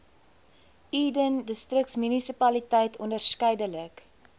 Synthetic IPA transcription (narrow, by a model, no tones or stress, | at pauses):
iːdəndəstrək̚tsmynisipɐlitɛjtʰɔndərskɛjdələk